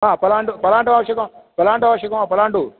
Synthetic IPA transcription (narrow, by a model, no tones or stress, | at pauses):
aːpɐlaːɳʈupɐlaːɳʈuaːʋɐʂɐkɐ̃mpɐlaːɳʈaːʋɐʂɐkɐmaːpɐlaːɳʈu